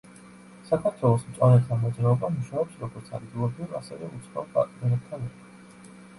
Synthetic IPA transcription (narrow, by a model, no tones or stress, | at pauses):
sakʰaɾt̪ʰwɛlˠɔsmt̪sʼɔɾɛt̪ʰamɔd̪zɾaɔbamuʃaɔpsɾɔɡɔɾt̪sʰa̰d̪ɡ̪ilˠɔpʰiɾa̰sɛvɛut̪sʰχwapʼa̰t̪ʼminɛb̚t̪ʰanɛkʰḁ